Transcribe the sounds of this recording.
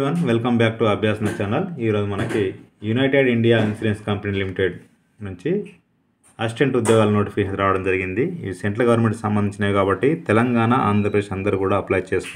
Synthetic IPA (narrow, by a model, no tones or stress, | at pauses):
ʋɐnʋelkɐmbaːk̚ʈuɐbʱjaːsɐnɐt͡ʃaːnɐliːɾo̞ːd͡ʒumɐnɐkijunɐjʈeɖiɳɖijaːinsiɖenskɐmpɐnilimiʈeɖ | nuɲt͡ʃi | ɐsʈeɳʈud̪jɔːɡaːlɐno̞ːʈifʰikeɐɾaːʋɐɽɐmd͡ʒɐɾiɡind̪iḭseɳʈɾɐɾɡɐʋɐɾmeɳʈksɐmbɐnd̪iɲt͡ʃinaːjkaːbɐʈːit̪ɛlɐŋɡaːnɐʔa̰ːnd̪ʱɾɐpɾɐd̪eʂɐnd̪ɐɾukuːɽaːɐplaːjt͡ʃeːst̪u